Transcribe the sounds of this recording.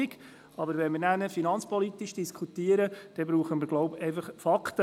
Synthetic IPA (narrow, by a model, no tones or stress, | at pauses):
iɡ | ɑbəɾʋɛnməɾnænəfinɑnt͡spɔlit̪iʃd̥iskʰut̪iəɾəd̥ɛbɾuːχəməɾɡlɔʊpɛɪfɑχfɑkt̪ə